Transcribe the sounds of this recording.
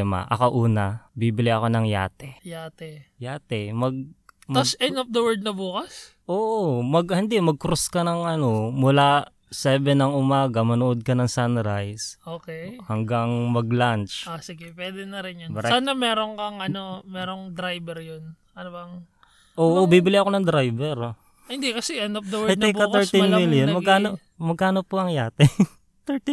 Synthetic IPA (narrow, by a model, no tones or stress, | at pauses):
mɐ̰ʔɐ̰koʔuːnɐbibɪlɪʔɐko̞nɐŋja̰ːt̪ɛjaːt̪ɛjaːt̪ɛmɐɡ̚mɐsɛnop̚d̪ɐwɛɹd̪̚nɐbuːkɐs | ʔoːʔomɐɡhɪnd̪ɛmɐɡ̚kɾoskɐnɐŋʔɐno̞mʊla | sɛːbɛnɐŋʊmaːɡɐmɐnʊʔod̪̚kɐnɐŋsanɾajsʔoːkɛhɐŋɡaŋmɐɡlant͡ʃasɪɡɛpwɛːd̪ɛnɐɾɪnjɐnbɐɾɛaːnɐmɛːɾoŋkɐŋɐnomɛːɾoŋd̪ɾajbɛɾjon | ʔɐnobɐŋ | ʔoːʔobiːbɪlɪʔɐko̞nɐŋd̪ɾajbɛɾ | hɪnd̪ikɐsɛʔɛnd̪op̚d̪ɐwɛɐj̪ɛbɐtk̪ɛɹt̪inmiljonmɐɡkaːno | mɐɡ̚kaːnopoɐŋjaːt̪ɛ | t̪ɛɹt̪